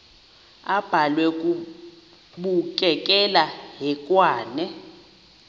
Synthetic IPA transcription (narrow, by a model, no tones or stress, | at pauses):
ab̥ʱalwɛk̬ʼu | ɓuk̬ʼɛk̬ʼɛlaɦɛkʼwaːnɛ